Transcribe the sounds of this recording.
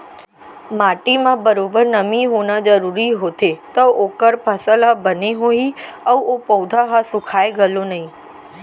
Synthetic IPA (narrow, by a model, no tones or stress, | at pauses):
maʈimãbəɾobəɾnəmiɦonad͡ʒəɾuɾiɦot̪et̪ookəɾpʰəsəlabəniɦoiəopəwd̪ʱaɦasʊ̃kʰajeɡəlonəɦĩ